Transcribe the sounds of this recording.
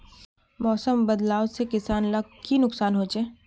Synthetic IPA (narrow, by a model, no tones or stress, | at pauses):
mɔːsəmbɐd̪laːʊsekɪsaːnlɐɡkʰinʊksaːnɦoːt͡ʃeː